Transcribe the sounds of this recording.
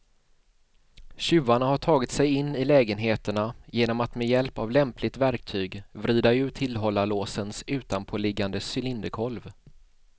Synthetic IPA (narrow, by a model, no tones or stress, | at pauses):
ɕʉ̟ːaɳaɦaʈʰɑːɡɪt̪sɛjɪnːɪlɛːɡənɦeːt̪əɳajeːnɔmat̪mɛjɛlpavlɛmplɪt̪væɾk̚t̪ʰyːɡvɾiːd̪aʉ̟ːt̪ʰɪlɦɔlːaloːsənsʉ̟ːt̪anpʰoːlɪɡːand̪əsʏlɪnd̪əkʰɔlv